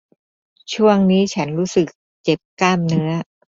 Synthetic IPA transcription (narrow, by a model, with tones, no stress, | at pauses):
t͡ɕʰu˥˩əŋniː˦˥t͡ɕʰa˦˥nɾuː˦˥sɯ˨˩k̚ | t͡ɕe˨˩p̚kaː˥˩mnɯ˦˥ɐ